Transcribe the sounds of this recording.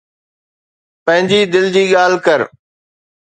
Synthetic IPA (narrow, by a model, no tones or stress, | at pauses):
pɐ̃ɦɪ̃ɲd͡ʑiːd̪ɪld͡ʑiːɠaːl̤kəɾ